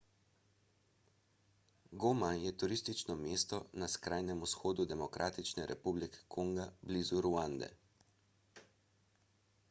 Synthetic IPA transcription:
ɡoːmajɛt̪uɾist̪it͡ʃnɔmeːst̪ɔnaskɾaːjnɛmusxoːd̪ud̪ɛmɔkɾʔaːt̪it͡ʃnɛɾʔɛ̰publikɛ̥kʰoŋɡablizuɾuand̪ɛ̰

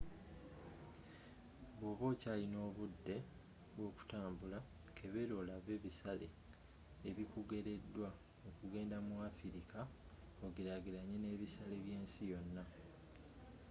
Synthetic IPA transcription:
βwoːβoːcaːlino̞ːβudːe̞ | βwo̞ːku̥taːmbula | kʰe̞βeɾo̞laβe̞ːβisalḛː | βikuɡe̞ɾe̞dːwa | okuɡe̞ːndamuafiɾikʰa | oɡiɾaɡiɾaɲːene̞ːβisaleβje̞ːnsijo̞nːa

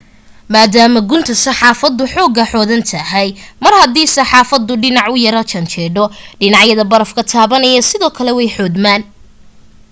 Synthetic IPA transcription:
maːd̪aːmɐɡʊnt̪ʰɐsɐħɑːfɐd̪ːʊħɔːɡɐħɔːðɐnt̪ʰɐɦɛjmɐrhɐd̪iːsɐħɑːfɐd̪ʊɖɪnɑʕʊjɐɾɐt͡ʃɐnt͡ʃʰɛːɖɔɖɪnɑʕjɐðɐbɐɾɐfkʰɐt̪ʰaːβɐnɐjɐsɪðɔːkʰɐlɛwɛjħɔːd̪maːn

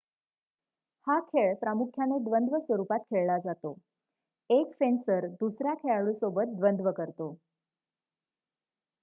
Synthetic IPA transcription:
hakʰeɭpɾamukʰjaned̪ʋənd̪ʋəsʋəɾupat̪̚kʰeɭlad͡zat̪o | eksensəɾd̪usɾjakʰeɭaɭũsobət̪̚d̪ʋənd̪ʋəkəɾt̪o

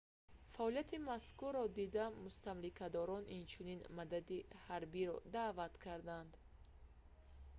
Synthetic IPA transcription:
faɔlijat̪ʰimaskurːɔd̪id̪amust̪amlikʰad̪ɔɾɔnint͡ʃʰuninmad̪ad̪ihaɾbiɾɔd̪avat̪kʰaɾd̪and̪

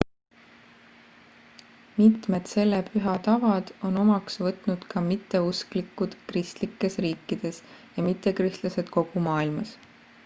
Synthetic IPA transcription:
mit̪me̞d̪̥se̞lːepʰyɦɑt̪ɑvɑd̪̥o̞no̞mɑksvɤt̪ˑnud̪̥kɑmit̪ːe̞usklikːˑud̪̥krist̪likːˑe̞sriːkːˑid̪̥e̞sjɑmit̪ˑːe̞krist̪lɑse̞d̪̥ko̞ɡ̥umɑːilmɑs

